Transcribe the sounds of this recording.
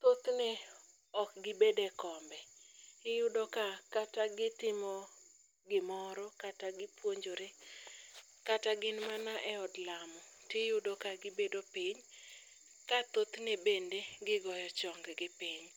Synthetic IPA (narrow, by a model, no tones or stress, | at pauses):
t̪ot̪ne | ɔkɡɪbedekɔmbɛɪjʊdokakataɡɪtɪmɔ | ɡɪmɔɾɔkataɡɪpwoɲd͡ʒoɾe | kataɡɪnmanaʔɛɔdlamɔ | tejʊdokaɡɪbedopiɲ | kat̪ot̪nebendeɡɪɡɔjɔt͡ʃɔŋɡɡɪpiɲ